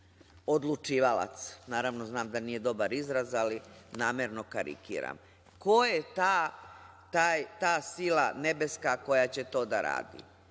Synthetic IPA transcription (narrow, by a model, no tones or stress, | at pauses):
o̞d̪lˠut͡ʃiːʋalˠa̰t̪snaːɾaʋnoznaːmd̪aniːje̞d̪o̞baɾizɾazalinaːmeɾno̞kaɾḭkḭːɾa̰m | kojet̪aː | t̪aːjt̪aːsilˠane̞be̞skako̞jat͡ɕe̞t̪o̞ːd̪aɾa̰ːd̪ḭ